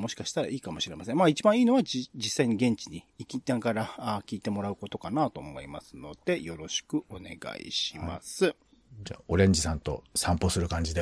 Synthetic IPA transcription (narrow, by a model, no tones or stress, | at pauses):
mo̞ɕi̥kaɕi̥t̪aɾa̰iːkamo̞ɕiɾe̞masẽ̞maːit͡ɕibãɰ̃iːno̞βad͡ʑisːaiɲ̟iɡẽ̞ɲ̟t͡ɕiɲ̟iːkʲit̪ãŋkaɾaaːkʲiːt̪e̞mo̞ɾaɯ̟ko̞t̪o̞kanaːt̪o̞ːmo̞imasɨno̞d̪̥e̞jo̞ɾo̞ɕi̥kɯ̟ʔo̞ne̞̰ɡa̰ḭɕima̰sɨ | d͡ʑa̰ːʔo̞ɾẽ̞ɲ̟d͡ʑisãnt̪o̞̰sãmposɨɾɯ̟kãɲ̟d͡ʑid̪e